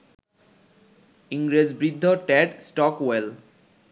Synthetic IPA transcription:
iŋɡɾed͡ʑbɾid̪ʱːɔʈɛɖsʈɔkwel

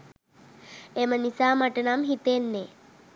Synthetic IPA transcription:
emənisaːmaʈənamɦit̪enːe

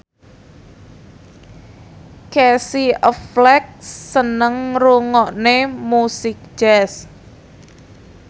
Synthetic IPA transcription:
kɛsiəflɛk̚sːənəŋruŋɔʔnemusɪk̚ʒ̥ɛs

